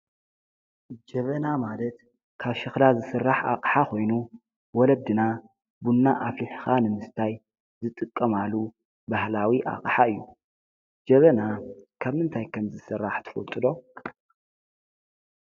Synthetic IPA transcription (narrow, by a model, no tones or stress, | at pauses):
d͡ʒɐβɐnamalɐt̪ | kʰaβʃɨxlazɨsɨrːaħa̰qʼħakʰo̞jnu | wɔlɐb̚d̪ɨna | bunːaʔaflɨħxanɨmɨst̪ʰaj | zɨt̪ʼɨkʼːɐmalu | bahlawiʔa̰kʼħaɨjːu | d͡ʒɐβɐnakʰaβmɨnt̪ʰajkʰɐmzɨsɨrːaħt̪ʰɨ̥fɐ̰lt̪ʼɨd̪o̞